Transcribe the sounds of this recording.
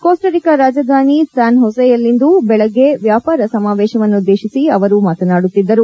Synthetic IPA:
ko̞ːsʈɐɾikɐɾaːd͡ʒɐd̪ʱaːnisaːnɦɔsɐjɐlːind̪ubɛɭɐɡːe̞ʋjaːpaːɾɐsɐmaːʋɛːʃɐʋɐnːuud̪ːe̞ːʃisiɐʋɐɾumaːt̪ɐnaːɽut̪ːid̪ːɐɾu

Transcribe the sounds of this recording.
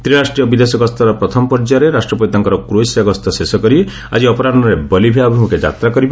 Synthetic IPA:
t̪ɾiɾasʈɾijɔbid̪esɔɡɔst̪ɔɾɔpɾɔt̪ʰɔmɔpɔɾd͡ʒaɾeɾasʈɾɔpɔt̪aŋkɔɾɔkɾojsaɡɔst̪ɔsesɔkɔɾi | a̰d͡ʒiɔpɔɾaɔɾebɔlibʱeabʱimuked͡ʒa̰t̪ɾakɔɾiba

